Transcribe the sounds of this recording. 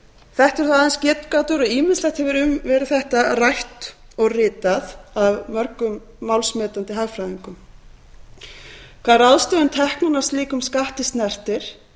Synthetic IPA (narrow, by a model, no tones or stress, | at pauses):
θɛht̪ɛɾ̥θaðɛnscɛt̪kat̪ʏɾɔɣiːmɪnslɛht̪hɛvɪɾʏmvɛːɾɪðθɛht̪arajht̪ɔɣrɪːt̪aθavmœɾkʏmː | awlsmɛːt̪ant̪ɪɦaɣfɾajðiŋkʏm | kʰaðɾaðst̪œːðʏnt̪ʰɛhknanḁsliːkʏmskaht̪ɪst̪nɛr̥t̪ɪɾ̥